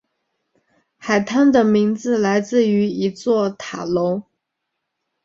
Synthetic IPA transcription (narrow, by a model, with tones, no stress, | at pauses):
xa˨˩ɪt̪ʰa˥nd̪ə˨mi˧˥ŋd͡zɹ̩˧la˧˥ɪt͡sɹ̩˥˩y˧˥i˧˥t͡swɔ˥˩t̪ʰa˨˩lo˧˥ʊ